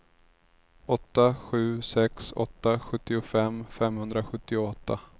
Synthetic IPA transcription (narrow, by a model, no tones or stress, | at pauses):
ɔt̪ːaɧʉ̟ːsɛksɔ̰t̪ːaɧɵt̪ːɪʊfɛmfɛmhɵnd̪ɾaɧɵt̪ːɪʊɔt̪ːa̰